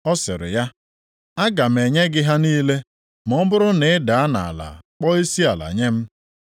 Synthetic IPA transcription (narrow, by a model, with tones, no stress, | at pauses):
ɔ˦sɪ̰˨ɾɪ̰˨ja˦ | a˦ɡa˨m̩˨e˨ɲe˦ɡɪ˦ɦa˦niː˦le˦ | mɔ˦bʊ˦ɾʊ˦ne˨˦da˨a˦na̰˨a̰˨la̰˨k͡pɔ˦i˦si˦a˨la̰˨ɲe˦m̩˦